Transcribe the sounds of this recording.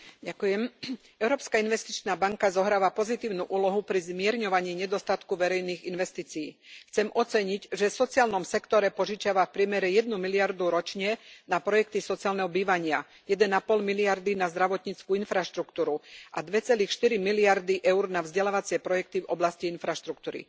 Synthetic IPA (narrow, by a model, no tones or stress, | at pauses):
ɟakujɛm | ɛʊɾɔːpskainʋɛst̪it͡ʃnaːbaŋkazɔɦɾaːʋapɔzit̪iːʊnuʔuːlɔɦupɾizmɪɛɾɲɔʋaɲɪiːɲɛd̪ɔst̪at̪kuʋɛɾɛjniːɣinʋɛst̪iːt͡sijiːxt͡sɛmʔɔt͡sɛɲiɟʒɛfsɔt͡siɪaːlnɔmsɛkt̪ɔɾɛpɔʒit͡ʃaʋafpɾɪɛmɛɾɛjɛd̪̚numiliaɾd̪uɾɔt͡ʃɲɛnapɾɔjɛk̚t̪isɔt͡siaːlnɛɦɔbiːʋaɲɪa | jɛd̪ɛnapɔlmiliaɾd̪inazd̪ɾaʋɔt̪ɲit͡skuinfɾaʃt̪ɾukt̪uːɾuʔad̪ʋɛt͡sɛliːxʃt̪iɾimiliaɾd̪iʔɛʊɾnavzɟɛlaːʋat͡sɪɛpɾɔjɛk̚t̪ivɔblasciinfɾaʃt̪ɾukt̪uːɾḭ